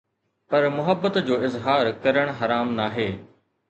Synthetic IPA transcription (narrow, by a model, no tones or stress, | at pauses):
pɐɾmʊɦəbːət̪d͡ʑoːɪzɦaːɾkɐɾəɽ̃ɦɐɾaːmnaːɦeː